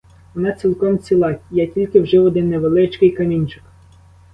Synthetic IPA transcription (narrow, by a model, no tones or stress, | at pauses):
ʋɔnɑt͡sʲilˠkɔmt͡sʲilˠɑjatʲilʲkɪwʒɪwɔd̪ɪnːeʋelˠɪt͡ʃkɪjkɐmʲinʲt͡ʃɪk